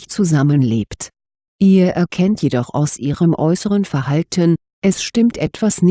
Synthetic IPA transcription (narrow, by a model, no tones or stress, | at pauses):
t͡suzamənleːpt | ʔiːɐʔɛɐkʰɛntjedɔχa̰ʊsʔiːʁəmʔɔʏsəʁənfɛɐhaltʰən | ʔɛsʃtɪmtʔɛtv̥asn